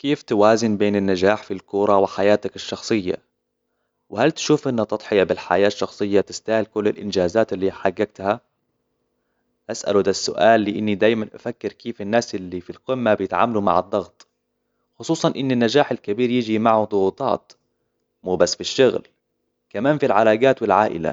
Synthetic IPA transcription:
keːft̪awaːzɪnbeːnɪnːad͡ʒaːħfilkʊɾˤɑwɪħajaːt̪akɪʃːɑxsˤɨjːa̰ | wɪhalt̪ʃuːfʔɪnːat̪ɑt̪ˤħɪjabɪlħa̰jaːʃːɑxsˤɨjːat̪ɪst̪aːhɪlkʊlːɪlʔɪnd͡ʒaːzaːt̪ɪlːiːħaɡːaɡ̚t̪ha | ʔasʔa̰lud̪asːʊ̰ʔaːlːɪʔɪnːid̪aːjmanʔa̰fakːɪɾkiːfɪnːaːsʔɪlːifilqɪmːabɪjɪt̪ʕa̰ːmaluma̰ʕɑd̪ˤːɑɣt̪ˤ | xʊsˤuːsˤɑnʔɪnːanːad͡ʒaːħalkabiːɾjɪd͡ʒimaʕud̪ˤʊɣuːt̪ˤɑ̰ːt̪ | muːbasːfiʃːʊɣl | kamaːnfilʕalaːɡaːt̪wɪlʕaːʔɪ̰la̰

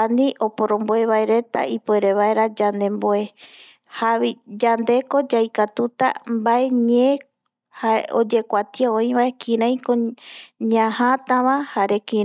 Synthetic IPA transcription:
anĩʔo̞po̞ɾõ̞mboeβaeɾe̞t̪a̰ʔipoe̞ɾe̞βaeɾad͡ʒand̪e̞mboe̞ | haβid͡ʒand̪e̞ko̞d͡ʒajkat̪ut̪a̰mbae̞ɲe | haeod͡ʒe̞kʷat̪iaoĩβaekʰĩɾãj̃kõɲãhãt̪ãβahaɾe̞kĩ

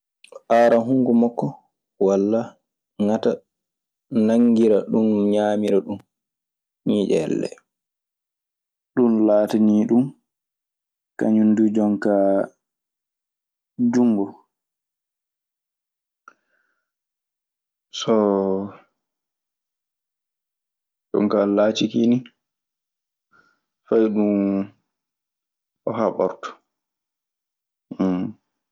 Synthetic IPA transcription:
ʔaɾaɦuŋɡumɔkːɔ | walːa | ŋata | naŋɡiɾaɗunɲaːmiɾaɗum | ɲid͡ʒɛɛ̰lːɛ̰ | ɗunlaːtaniːɗum | ka̰ɲundud͡ʒɔŋka | d͡ʒuŋɡɔ | sɔ | d͡ʒɔ̰ŋkalaːt͡ʃikini | fajɗun | ɔɦaɓɔɾtɔ̥

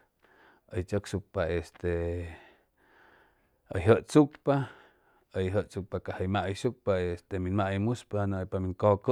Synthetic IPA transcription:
ʔəjt͡ʃoksuk̚paest̪e | əjɦəʔt͡sukpa | əjɦəʔt͡suk̚pakahəjmaʔəjʃuk̚paest̪eminmaʔjmuspahanoʔpamiŋkokə

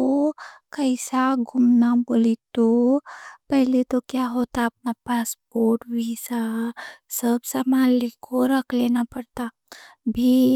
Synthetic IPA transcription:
okəɪsaɡʱʊmnaboːlit̪o | pɛɦlet̪okjaɦot̪aəp̚napaːspoːɾʈʋisa | səbsəmalekʰoɾəkʰleːnapəɽt̪a | bʱi

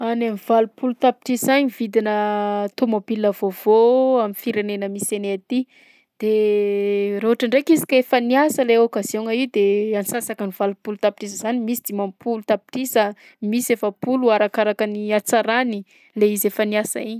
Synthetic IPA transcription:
anamiv̥alupʰulut̪api̥ʈ͡ʂisaɲivid̪inət̪omobiləvovoaminfiɾenenəmiseneat̪i | d̪̥e | roɦaʈ͡ʂaɳɖ͡ʐekizi̥kefaniasəleokaz̥oŋəiwd̪eansasakaniv̥alupulut̪api̥ʈ͡ʂisəzanimisi̥d̪̥imampʰulut̪api̥ʈ͡ʂisə | misefəpuluaɾakaɾakəniat͡saɾani | leizefaniasa̰iɲi

